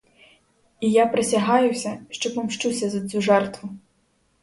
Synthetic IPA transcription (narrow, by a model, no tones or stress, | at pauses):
ijapɾesʲɐɦɑjʊsʲɐʃt͡ʃɔpɔmʃt͡ʃusʲɐzɐt͡s̪ʲuʒɛrt̪ʋʊ